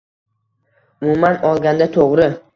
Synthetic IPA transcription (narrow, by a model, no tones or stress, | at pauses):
ʊmʊmanɒlˠɡʲand̪at̪ʰoʁɾɪ